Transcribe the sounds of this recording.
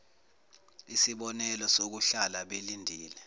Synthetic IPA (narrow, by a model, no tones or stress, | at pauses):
isiɓɔnɛlɔsok̬uɬalaɓelindʱiːlɛ